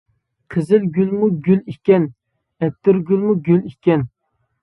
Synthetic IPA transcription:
qʰəzɪlɡʲylmuɡʲylikʲɛn | ɛt̪ːɪɾɡʲylmuɡʲylikʲɛn

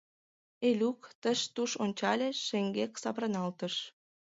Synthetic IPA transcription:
elʲukt̪əʃt̪uʃonʲt͡ɕɑlʲeːeŋɡeksɑβɾənɑlt̪əʃ

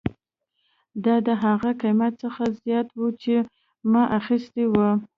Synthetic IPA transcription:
d̪ɑd̪əɦaɣakajmjat̪səxazjɑt̪wut͡ʃe | maʔaxist̪ewə

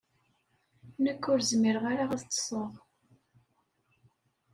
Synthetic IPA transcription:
nəkːʊɾzmiɾʁaɾaʁaðt̪ˤːsˤəʁ

